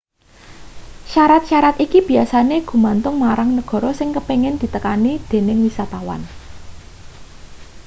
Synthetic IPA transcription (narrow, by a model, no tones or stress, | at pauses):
ʃaɾat̪̚ʃaɾat̪ikib̥i̤asaneɡ̥ṳmant̪ʊŋmaɾaŋnəɡ̥ɔ̤ɾɔsɪŋkəpeŋɛnd̪̥i̤t̪əkanid̪̥e̤nɪŋwisat̪awa̰n